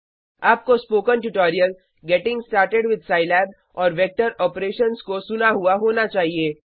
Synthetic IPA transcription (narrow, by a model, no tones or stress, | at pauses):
aːp̚kospoːkənʈʊʈɔːɾijəl | ɡɛːʈɪ̃ŋɡsʈaːɾʈeɖʋɪd̪ʱsaːɪlɛːb | ɔːɾʋɛk̚ʈəɾɔːpɾeːʃənskosʊnaɦuaɦoːnat͡ʃaːɦieː